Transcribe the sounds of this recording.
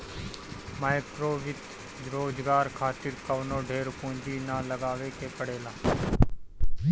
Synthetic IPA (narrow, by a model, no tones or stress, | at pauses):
maːɪkɾoːʋɪt̪ | ɾoːd͡ʒɡaːɾkʰaːt̪ɪɾkəʋnoːɖʱeːɾpũːɲd͡ʒiːnaːləɡaːʋeːkeːkəɽeːlaː